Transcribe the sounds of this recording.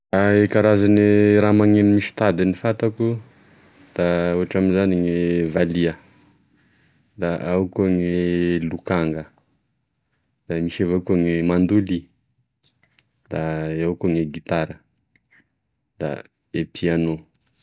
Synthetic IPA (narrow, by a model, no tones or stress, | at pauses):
daekaɾazaniɾamaŋenimiʃi̥t̪ad̪inifat̪aku | d̪̥auaʈ͡ʂaminzaniŋevaliə | d̪aʔawkuŋelukaŋɡə | d̪̥amiʃavakaŋemand̪uli | d̪̥aawkuŋeɡit̪aɾə | d̪̥a̰ | epʰiano